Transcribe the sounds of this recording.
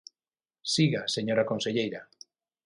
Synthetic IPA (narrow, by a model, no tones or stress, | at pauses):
siɣaseɲoɾakonseʎejɾa